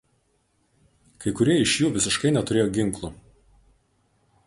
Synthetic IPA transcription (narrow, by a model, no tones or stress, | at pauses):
kɐɪkʊɾʲiɛɪʃʲjuːʋʲɪsʲɪʃkɐɪnʲɛt̪ʊɾʲeːjoːɡʲɪŋˑklˠu